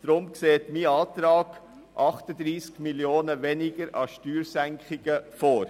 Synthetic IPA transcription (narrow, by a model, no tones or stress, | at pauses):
d̥ɾʊmkseːtmiɑːt̪ɾɑːɡ̥ | ʔɑχtəd̪ɾiːskmiljoːnəʋɛnɪɡ̥əɾɑʃtyːɾsæŋkχɪɡəfoːɾ